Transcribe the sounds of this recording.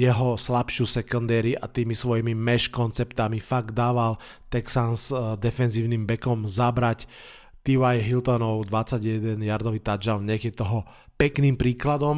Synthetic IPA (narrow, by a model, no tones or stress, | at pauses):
jɛɦɔslapʃusɛkɔnd̪ɛːɾiʔa̰t̪iːmisʋɔjimimɛʃkɔnt͡sɛpt̪amifaɡ̚d̪d̪aːʋal | t̪ɛksansd̪ɛfɛnziːʊniːmbɛkɔmzabɾac | t̪iwajɦilt̪ɔnɔʊd̪ʋat͡sːaɟjɛd̪ɛnjaɾd̪ɔʋiːt̪ad͡ʒaʊɲɛkɛt̪ɔɦɔ | pɛkniːmpɾiːklad̪ɔm